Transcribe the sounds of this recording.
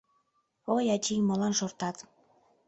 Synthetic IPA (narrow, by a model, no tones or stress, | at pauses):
ojɑt͡ɕimolɑnʃort̪ɑt̪